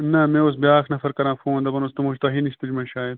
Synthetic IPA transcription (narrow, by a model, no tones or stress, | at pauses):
nɐmẽːosbjaːknɐfɐɾkɐɾãːfõːnd̪ɐbɐnost̪umoʃt̪ɐɦiniʃt̪ud͡ʒmɐ̃ʃaːjɐd̪